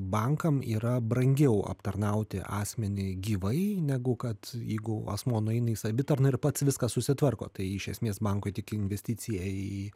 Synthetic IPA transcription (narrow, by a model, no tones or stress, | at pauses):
bɐŋkɐmiːɾɐbɾɐŋʲɡʲɛʊɐ̰pt̪ɐrnɐʊt̪ʲɪ̰ʔɑːsʲmʲɛnʲɪɡʲiːʋɐɪnʲæɡʊkɐt̪jɛ̰ɪɡʊɐ̰smoːnʊɐɪnɐɪsɐbʲɪt̪ɐrnɐɪrpɐt̪sʋʲɪskɐsʊsʲɪt̪ʋɐrko̰ːt̪ɐɪɪʃʲɛ̰sʲmʲeːsbɐŋkoɪt̪ʲɪkɪnʲʋʲɛsʲtʲiːt͡s̪ʲɪjɛi